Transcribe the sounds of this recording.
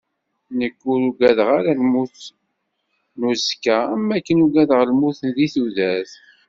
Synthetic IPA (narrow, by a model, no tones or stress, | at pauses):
nəkːuɾuɡæðʁaɾalmuθ | nuzkææmːækːənuɡæðʁlmuθənðiθuðæθ